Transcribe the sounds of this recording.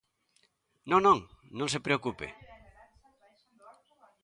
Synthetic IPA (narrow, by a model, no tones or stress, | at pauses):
nõŋnõŋnõŋs̬epɾeokupḛ